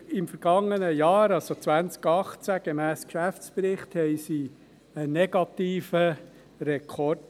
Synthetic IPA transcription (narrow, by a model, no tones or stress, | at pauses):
ɪmfəɾɡ̥ɑŋːənəjɑːɾɑlsot͡sʋænt͡skɑχt͡sæɡ̥emæːskʃæft͡spɾɪχthɛɪsi | ənɛɡɑt̪iːfə | ɾɛkʰɔɾd